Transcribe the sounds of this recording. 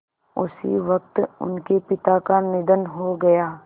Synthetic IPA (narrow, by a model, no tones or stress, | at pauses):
ʊsḭʋɐk̚t̪ʊ̰nkepɪt̪akanɪd̪ənɦoɡɐjaː